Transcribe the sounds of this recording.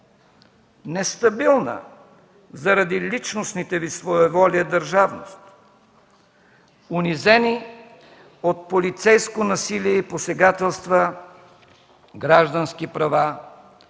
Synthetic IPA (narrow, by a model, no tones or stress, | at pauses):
nɛst̪ɐbilˠnə̰ | zɐɾɐd̪ilit͡ʃnosnit̪ɛvisvoɛvɔlʲəd̪ɐɾʒavnost̪ | ʊnizɛni | ot̪̚polit̪sɛjskonɐsiliɛiposɛɡat̪ɛlˠst̪və | ɡɾaʒd̪ənskipɾɐva